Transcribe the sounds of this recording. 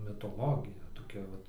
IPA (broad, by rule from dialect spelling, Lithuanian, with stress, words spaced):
mʲɪtoːˈlˠoːɡʲɪjɛ toːˈkʲɛ ˈʋɐt